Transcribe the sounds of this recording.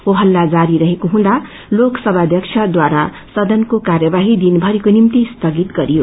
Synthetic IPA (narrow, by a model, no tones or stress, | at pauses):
oɦʌlːad͡zaɾiɾʌɦekoɦũd̪a | loksʌbʱad̪ʱjʌkt͡ʃʰʌd̪waɾa | sʌd̪ʌnkokarjʌbaɦid̪inbʱʌɾikonimt̪ist̪ʌɡit̪ɡʌɾijo